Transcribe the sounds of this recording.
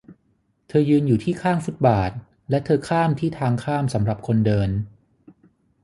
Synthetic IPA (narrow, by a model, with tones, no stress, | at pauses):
t̪ʰɤː˧jɯː˧njuː˨˩t̪ʰiː˥˩kʰaː˥˩ŋfu˦˥t̪̚baː˨˩t̪̚ | lɛ˦˥t̪ʰɤː˧kʰaː˥˩mt̪ʰiː˥˩t̪ʰaː˧ŋkʰaː˥˩msa˩˦mɾa˨˩p̚kʰo˧ndɤː˧n